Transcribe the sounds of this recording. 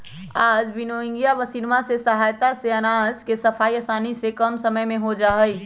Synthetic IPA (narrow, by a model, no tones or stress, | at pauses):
aːd͡ʒbɪnoɪ̃ŋɡijaʋəsiɾmasesəɦaːjt̪aseənaːzkesəpʰaːiəsaːnisekəmsəməjmẽɦod͡ʒaːɦəj